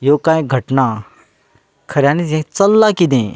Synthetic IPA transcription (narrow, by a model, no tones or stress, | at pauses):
jokãːẽɡʱɐʈna | kʰɐɾjaːnid͡ʒẽt͡sɐlːakid̪ẽ